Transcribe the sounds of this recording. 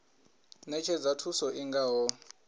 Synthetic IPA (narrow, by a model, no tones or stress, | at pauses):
nɛt͡ʃʰɛd͡zatʰusɔʔiŋɡaːɦɔ